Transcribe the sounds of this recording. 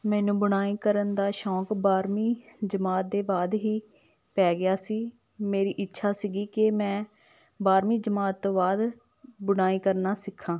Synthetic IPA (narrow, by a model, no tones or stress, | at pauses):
mɛ̃ːnũːbʊɽ̃aːiːkəɾənd̪aːʃɔːkbaːɾmiːd͡ʒəmaːt̪̚d̪eːbaːd̪ɦiː | pɛːɡɪjaːsiː | meːɾiːʔɪtːʃʰaːsiɡiːkemɛ̃ː | baːɾmiːd͡ʒəmaːt̪ːõːbaːd̪ | bʊɽ̃aːiːkəɾnaːsɪkʰːãː